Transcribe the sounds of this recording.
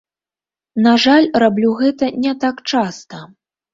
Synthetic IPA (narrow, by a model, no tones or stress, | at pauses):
naʐalʲrablʲuɣɛt̪ɐnʲɛt̪akt͡ʂast̪ɐ